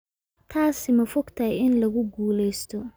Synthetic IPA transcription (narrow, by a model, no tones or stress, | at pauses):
t̪ʰaːsɪmɐfɔɡt̪ʰɐhjɪnlɐɣʊɡuːlɛjst̪ʰɔ